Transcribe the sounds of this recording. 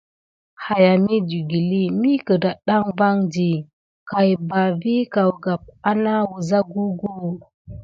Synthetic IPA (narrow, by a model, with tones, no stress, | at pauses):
ha˨ja˨mi˦d͡ʒu˨ɡi˨li˦mi˦kə˨da˨ɗa˦ŋva˦ŋd͡ʒi˨ | ka˨jba˨vi˦ka˨wɡa˨p̚a˦na˦wu˨za˦ɡu˦ɡu˦˨